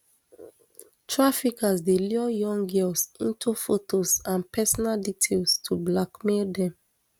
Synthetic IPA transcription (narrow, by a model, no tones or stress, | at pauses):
tɹafikazdeliɔjɔ̃ŋɡɛlsĩntʰufotʰozãnpɛsɔnalditʰelstʰublakmeldɛ̃m